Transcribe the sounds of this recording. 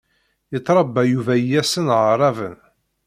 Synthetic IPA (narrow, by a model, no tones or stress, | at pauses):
jət̪ˤːɾˤɑbːæjuvæjːæsənʁəɾˤɑvə̰n